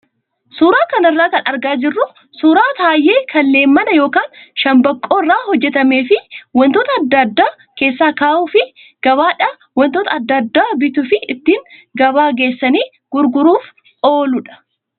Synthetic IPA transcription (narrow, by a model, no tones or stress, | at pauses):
suːɾaːkɐnɐrːaːkɐnʔɐɾɡaːd͡ʒɪrːʊ | suːɾaːt̪aːjːe̞ːkʰɐlːe̞ːmːɐnɐjo̞ːkaːnʃɐmbɐkʼːo̞ːɪrːaːhɔd͡ʒːɛt̪ɐme̞ːfɪwɔnt̪oːt̪ɐːd̪ːɐd̪ːaː | ke̞ːsːaːkaːʔuːfɪ | ɡ̥ɐβaːᶑɐ | wɔnt̪oːt̪ɐd̪ːɐd̪ːaːbɪt̪ʊfɪɪt̪ːiːŋɡɐbaːɡe̞ːsːɐniː | ɡ̥ʊɾɡʊɾuːf | o̞ːlʊᶑɐ̥